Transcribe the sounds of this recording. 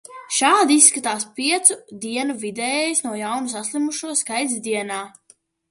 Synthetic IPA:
ʃaːd̪iisːkat̪aːspiɛt̪sud̪iɛnuvid̪ɛːɛjisnuɔjawnusaslˠimuʃuɔskajt̪zd̪iɛnaː

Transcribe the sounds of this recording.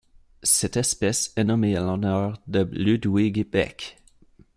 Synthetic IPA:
sɛt̪ɛspɛsɛnɔmealɔnœʁd̪əlyd̪wiɡebɛ̰k

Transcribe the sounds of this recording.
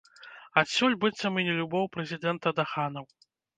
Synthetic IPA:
at̪sʲɔlʲbɨt̪sːɐmɨnʲɛlʲubɔwpɾɛzʲid̪ɛnt̪ɐd̪axanɐw

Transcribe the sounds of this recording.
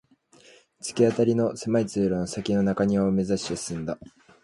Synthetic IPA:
t͡sɨ̥kʲiat̪aɾʲino̞semait͡sɨːɾonosakʲino̞nakaɲ̟iβaɯme̞zaɕi̥osɨ̥sɨ̃nd̪a

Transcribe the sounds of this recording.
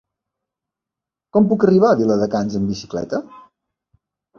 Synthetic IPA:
kɔmpukəriβ̞aðiləðəkanzəmbisi̥klɛ̰t̪ə

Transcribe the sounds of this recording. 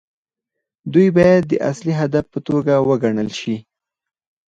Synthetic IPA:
d̪ujbɑjad̪ːəʔa̰sliɦad̪afpət̪oɡawəɡaɳəlʃi

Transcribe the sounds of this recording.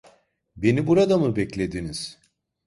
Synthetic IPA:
be̞nibuɾad̪amɯbɛclʲe̞d̪iniz̥

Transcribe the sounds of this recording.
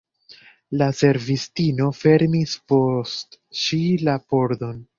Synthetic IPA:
lase̞ɾvistino̞fe̞ɾmispo̞stʃilapo̞ɾdo̞n

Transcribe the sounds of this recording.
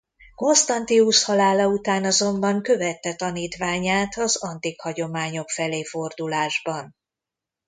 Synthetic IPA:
ko̞nst̪ɒnt̪iuʃhɒlaːlɒut̪aːnɒzo̞mbɒŋkø̞vɛt̪ːɛt̪ɒniːt̪ʋaːɲaːt̪ɒzɒnt̪ikhɒɟo̞maːɲo̞kfɛleːfo̞rd̪ulaːʒbɒn

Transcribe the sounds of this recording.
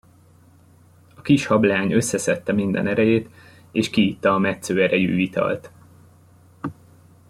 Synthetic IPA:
ɒkiʃhɒblaːɲø̞sːɛsɛt̪ːɛmind̪ɛ̰nɛɾɛjeːt̪ | eːʃkiit̪ːɒːmɛt̪søːɛɾɛjy̰ːit̪ɒ̰lt̪

